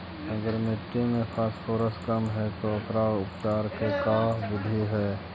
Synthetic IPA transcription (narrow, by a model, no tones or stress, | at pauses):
ɐɡəɾmɪʈːimẽpʰasfʰoːɾəskɐmɦɛt̪oɐpɾaʊpt͡ʃaːɾkekaːɦbʊd̪ʱiɦɛː